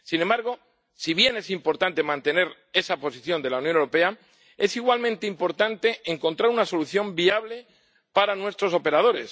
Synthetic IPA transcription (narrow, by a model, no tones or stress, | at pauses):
sinembaɾɣ̞o̞ | siβje̞ne̞simpo̞ɾt̪ant̪e̞mãnt̪e̞ne̞ɾ | e̞sapo̞siθjo̞nd̪e̞launjoneɾo̞pe̞a | e̞siɣwalmẽnt̪eimpo̞ɾt̪ant̪e̞eŋko̞nt̪ɾaɾunaso̞luθjo̞mbiaβ̞le̞ | paɾanwe̞st̪ɾo̞so̞pe̞ɾað̞o̞ɾe̞s